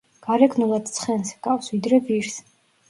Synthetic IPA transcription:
ɡ̥aɾɛɡʰnulˠad̪t̪sʰχɛnsɡ̥afsvid̪ɾɛviɾs

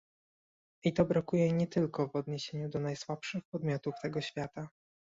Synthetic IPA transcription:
it̪ɔbɾakujɛɲɛt̪ɘlkɔvɔd̪ɲeɕeɲud̪ɔnajswapʂɘxpɔd̪mʲjɔt̪uft̪ɛɡɔɕfʲjat̪a

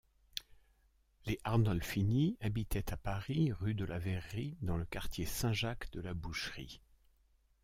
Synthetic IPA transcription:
leʔaʁnɔlfiniabit̪ɛt̪ʰapaʁiʁyd̪əlʔavɛʁːid̪ɑ̃ləkaʁt̪ʲjesɛ̃ʒakd̪əlabuʃʁḭ

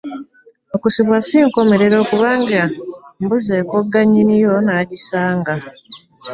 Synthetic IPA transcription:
okusiβwasiːŋko̞me̞ɾe̞ɾo̞ːkuβaːŋɡambuzekoɡaɲinijo̞naɟisaːŋɡa

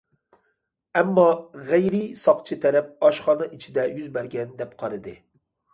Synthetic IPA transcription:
ɛmːɑʁæjɾɪsɑqt͡ʃʰit̪ʰɛɾɛp̚ɑʃχɑːnɨʔit͡ʃʰid̪ɛjyzbɛɾɡʲɛnd̪ɛpqʰɑɾɨd̪ɨ

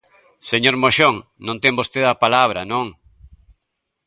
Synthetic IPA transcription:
seɲoɾmoʃoŋnõnt̪eŋbost̪eðɐpalaβ̞ɾɐnõŋ

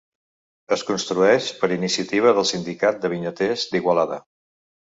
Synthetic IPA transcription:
əskunst̪ɾuɛʃpəɾinisiət̪iβ̞əðəlˠsind̪ikat̪̚d̪əβiɲət̪ezd̪iɣwəlaðə̰

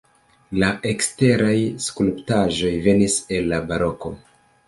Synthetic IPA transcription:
laʔe̞kste̞ɾajskulptaʒo̞jve̞nise̞lːabaɾo̞ko̞̰

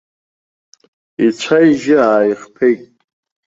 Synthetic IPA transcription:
it͡ɕʷʰajʒɪaːjχpʰejtʼ

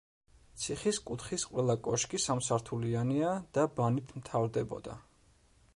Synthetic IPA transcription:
t̪sʰiχiskʼut̪χisqʼwɛlˠakʼɔʃkʼisamsaɾt̪ʰulianiad̪̥abanit̪ʰmt̪ʰavɾd̪ɛbɔ̰d̪a̰

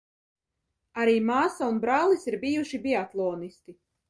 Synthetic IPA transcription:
aɾiːmaːsaunbɾaːlˠisiɾbijuʃibiat̪lˠɔːnist̪i

